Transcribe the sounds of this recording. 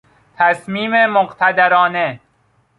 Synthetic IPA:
t̪ʰæsmiːmemoɢt̪ʰæd̪æɾɒːne

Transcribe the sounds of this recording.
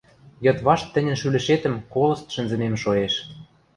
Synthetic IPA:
jɤ̆t̪βɑʃt̪ːə̆nʲɘ̆nʃylɘ̆ʃet̪ə̆mkolɤ̆st̪ʃə̆nzə̆memʃoeʃ

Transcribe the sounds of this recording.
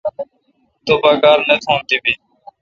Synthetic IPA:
t̪oːbaːkaːɾnət̪ʰõːnt̪iːbiː

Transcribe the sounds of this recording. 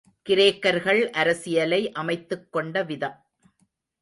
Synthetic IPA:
kɪɾeːkːɐɾɣɐɭʔɐɾɐsɪjɐlɐɪʔɐmɐɪt̪ːɯkːɔɳɖɐʋɪðɐm

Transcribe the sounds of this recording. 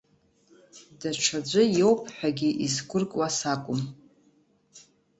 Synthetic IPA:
daʈ͡ʂʷʰad͡ʒʷʊjowpʰʼħʷᶣaɡʲiʔizɡʷʊrkʼwasakʷʼʊm

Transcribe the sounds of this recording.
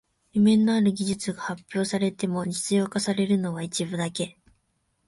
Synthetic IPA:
jɯmẽ̞nːo̞aɾɯ̟ɡʲiʑɨt͡sɨɡahapʲjo̞ːsaɾe̞t̪e̞mo̞d͡ʑit͡sɨjo̞ːkasaɾe̞ɾɯ̟no̞β̞ait͡ɕibɯ̟d̪ake̞

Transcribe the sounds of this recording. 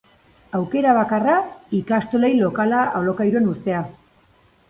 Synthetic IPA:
awke̞ɾaβ̞akaraikast̪olejlo̞kalaolo̞kajɾue̞nust̪e̞a

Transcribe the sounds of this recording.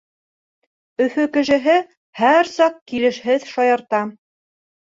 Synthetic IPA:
ɵ̆fɵkɘ̆ʃɘ̆ɦɘ | hæɾsɑqkilɘ̆ʃhɘðʃɑjɑɾt̪ɑ

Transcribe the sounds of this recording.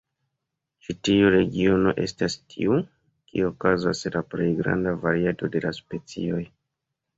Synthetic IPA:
t͡ʃitiuɾe̞ɡio̞no̞ʔe̞̰stastʰiu | kiookaza̰slaple̞jɡɾa̰ndavaɾiato̞de̞laspe̞t͡sḭo̞j

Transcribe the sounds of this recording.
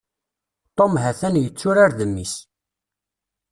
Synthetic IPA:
t̪ˤomɦæθænjət͡sːʊɾaɾðəmːis

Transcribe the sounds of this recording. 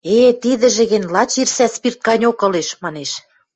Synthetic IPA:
et̪id̪ə̆ʒĕɣĕnʲlɑt͡ɕirsæspirt̪̚kɑnʲokɤ̆leʃmɑneʃ

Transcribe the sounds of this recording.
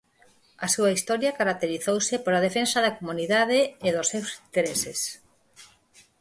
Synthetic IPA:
ɐsuɐist̪ɔɾjɐkaɾak̚t̪eɾiθowsɪpoɾɐð̞efensɐðɐkomuniðað̞eːðʊsːewsint̪eɾeses

